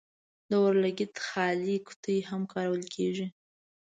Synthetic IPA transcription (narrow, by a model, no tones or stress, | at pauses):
d̪əwəɾlaɡɪt̪xɑliku̥t̪əjhamkʰɑɾawəlkʰeʐi